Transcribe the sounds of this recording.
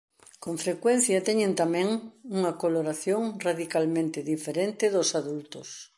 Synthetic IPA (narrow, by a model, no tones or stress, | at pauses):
koɱfɾekwɛn̟θjɐt̪ɛɲẽnt̪amɛ̃ŋuŋɐkoloɾaθjoŋraðikalmẽnt̪ɪðifeɾent̪ɪðosaðult̪os